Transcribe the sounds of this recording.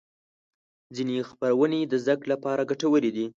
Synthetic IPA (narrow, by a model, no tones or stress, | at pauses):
zinexpaɾawəned̪əzd̪əkɽlapɑɾaɡaʈawəled̪i